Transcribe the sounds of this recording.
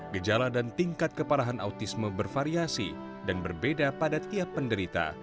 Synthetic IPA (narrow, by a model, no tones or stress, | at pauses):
ɡəd͡ʒaladant̪iŋkat̪̚kəpaɾaɦanʔa̰ut̪isməbərfaɾiasḭ | danbərbedapadat̪iapːəndəɾit̪a̰